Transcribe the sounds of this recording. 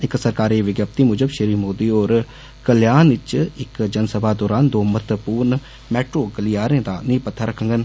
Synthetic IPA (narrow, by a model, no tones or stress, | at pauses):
ɪksəɾkaːɾiːʋɪɡjaːp̚t̪iːmʊd͡ʒəbʃəɾiːmoːd̪iːoːɾ | kəljaːnɪt͡ʃɪkd͡ʒənsəbʱaːd̪ɔːɾaːnd̪oːmət̪əpuːɾn | mɛːʈɾoːɡəliːaːɾẽːd̪aːnĩːpət̪ʰːaɾəkʰə̃ŋɡən